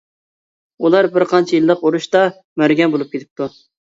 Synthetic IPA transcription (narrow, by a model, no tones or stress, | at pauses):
ulˠɑɾbɪɾqʰɑnt͡ʃʰijilˠːəquɾuʃt̪ɑ | mæɾɡʲɛnbolˠup̚kʲet̪ʰɪ̥p̚t̪ʰu